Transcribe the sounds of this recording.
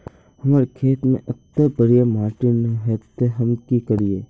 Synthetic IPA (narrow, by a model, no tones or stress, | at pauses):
hɐmaːɾekʰeːt̪mḛ̃ʔɐk̚t̪abəɽijamaːɾʈɪnɦɛːt̪eɦɐmkikəɾieː